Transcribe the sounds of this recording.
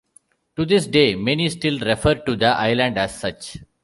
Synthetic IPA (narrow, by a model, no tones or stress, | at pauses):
ʈud̪ɪsɖeːmɛnisʈɪlɾɛfəɾɖ̚ʈud̪əʔa̰ɪlə̃ɳɖæzsʌt͡ʃ